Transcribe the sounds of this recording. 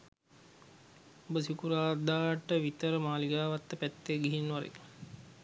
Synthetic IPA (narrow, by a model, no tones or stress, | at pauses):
obəsikuɾaːd̪aːʈːəʋit̪əɾəmaːliɡaːʋat̪ːəpæt̪ːeːɡiɦinːʋaɾḛk